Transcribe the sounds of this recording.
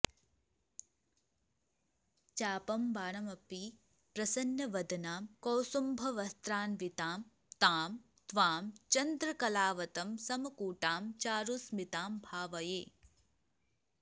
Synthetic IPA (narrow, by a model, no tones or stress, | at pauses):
t͡ʃaːpɐmbaːɳɐmɐpi | pɾɐsɐnjɐʋɐd̪ɐnaːmkowsumbʱɐʋɐst̪ɾaːnʋit̪aːm | t̪aːm | t̪ʋaːmt͡ʃɐnd̪ɾɐkɐlaːʋɐt̪ɐmsɐmɐkuːʈaːmt͡ʃaːɾusmit̪aːmbʱaːʋɐjeː